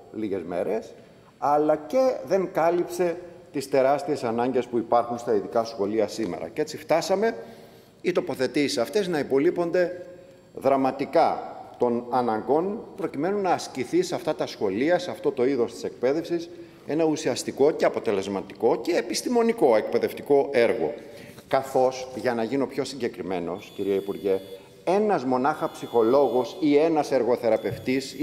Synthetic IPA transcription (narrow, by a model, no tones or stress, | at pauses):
liʝe̞zme̞̰ɾe̞s | ɐlɐce̞ðe̞ŋkɐlipse̞t̪ist̪e̞ɾɐst̪ie̞sɐnɐɲɟe̞spuipɐɾxunst̪ɐiðikɐsxo̞liɐsime̞̰ɾɐ̰ce̞t͡sift̪ɐsɐme̞ | it̪o̞po̞θe̞t̪isi̥sɐft̪e̞znɐipo̞lipo̞nd̪e̞ | ðɾɐmɐt̪ikɐt̪o̞nɐnɐŋɡo̞npɾo̞cime̞nunɐːsciθiseɐft̪ɐt̪ɐsxo̞liɐseɐft̪o̞t̪o̞iðo̞st̪i̥se̞k̚pe̞ðe̞fsis | e̞nɐusiɐst̪iko̞ce̞ɐpo̞t̪e̞le̞zmɐt̪i̥ko̞ce̞ːpist̪imo̞niko̞e̞k̚pe̞ðe̞ft̪iko̞ʔe̞ɾɣo̞̰kɐθo̞sʝɐnɐʝiniopço̞siɲɟe̞kɾime̞no̞sciɾiɐipuɾʝe̞ | e̞nɐzmo̞nɐxɐpsixo̞lo̞ɣosie̞nɐse̞ɾɣo̞θe̞ɾɐpe̞ft̪is